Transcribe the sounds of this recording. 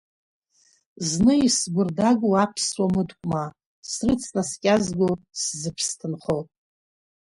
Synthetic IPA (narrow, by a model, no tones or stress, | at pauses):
znɨisɡʷʊrdaɡʷuapʰswamɨdkʷʼma | srɨt͡sʰnaskʲʼazɡʷoszɨpʰstʰɨnχotʼ